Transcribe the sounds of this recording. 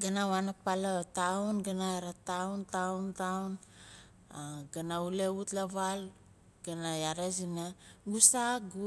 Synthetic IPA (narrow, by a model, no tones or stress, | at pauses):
ɡanawanapalatawnɡanajaɾatawntauntawn | aɡanauleutlaβal | ɡ̥anajaɾasinaɡusaɡu